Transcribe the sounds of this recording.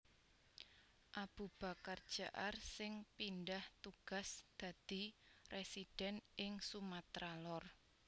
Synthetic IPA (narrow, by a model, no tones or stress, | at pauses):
ʔab̥ṳb̥a̤kard̥ʒ̥aʔarsɪŋpindaht̪uɡ̥a̤sd̪̥a̤d̪̥i̤resid̥ɛ̤nʔɪŋsumat̪ɾalɔr